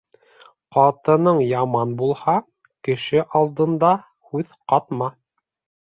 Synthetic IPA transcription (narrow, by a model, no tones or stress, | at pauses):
qɑt̪ɤ̆nɤɴjɑmɑnbulˠhɑ | kɘ̆ʃɘʔɑlˠd̪ɤ̆nd̪ɑ | hʉðqɑt̪mɑ